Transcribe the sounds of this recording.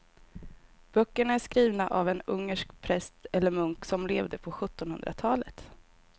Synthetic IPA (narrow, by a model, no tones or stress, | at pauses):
b̥œkːəɳaæʂkɾiːvnaʔavɛnɵŋːəʂkpʰɾɛst̪ɛlːəɾmɵŋksɔmleːvd̪əpʰɔɧɵt̪ːɔnhɵ̰nd̪ɾa̰t̪ʰɑːlət̪